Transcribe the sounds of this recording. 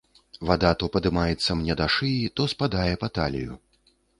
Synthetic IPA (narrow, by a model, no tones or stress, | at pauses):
vad̪at̪ɔpɐd̪ɨmajɛt̪sːɐmnʲɛd̪aʂɨjit̪ɔspad̪ajɛpɐt̪alʲḭjṵ